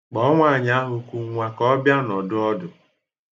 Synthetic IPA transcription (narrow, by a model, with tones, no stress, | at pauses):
k͡pɔ˦ŋʷa˦˨ɲa˦ɦʊ˨kʷu˨ŋʷa˦kɔ˦bja˦nɔ˨dʊ˦ɔ˦dʊ˨